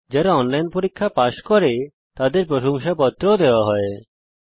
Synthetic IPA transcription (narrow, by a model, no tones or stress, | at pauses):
d͡ʑaɾaɔnlajnpoɾikʰːapaʃkɔɾe | t̪ad̪eɾpɾoʃoŋʃapɔt̪ːɾood̪eoaɦɔe